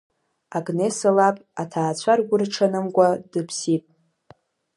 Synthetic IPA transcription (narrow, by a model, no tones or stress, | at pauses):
aɡnesalapʼatʰaːt͡ɕʷʰarɡʷʊrʈ͡ʂʰanɨmkʷʼadɨpʰsipʼ